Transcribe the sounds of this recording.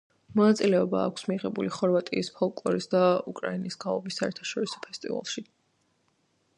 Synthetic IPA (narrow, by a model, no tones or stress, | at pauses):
mɔnat̪sʼilɛɔba̰ːkʷʰsmiʁɛbuliχɔɾvat̪ʼiːspʰɔlˠkʼlˠɔɾisd̪aukʼɾainisɡ̥aɔbisːaɛɾt̪ʰḁʃɔɾisɔ̥pʰɛst̪ʼiva̰lˠʃi